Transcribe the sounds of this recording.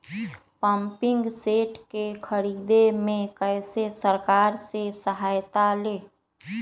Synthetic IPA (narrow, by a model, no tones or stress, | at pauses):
pãmpɪ̃ŋɡseːʈkekʰəɾiːd̪emẽkɛːsesəɾkaːɾsesəɦaːjt̪aleː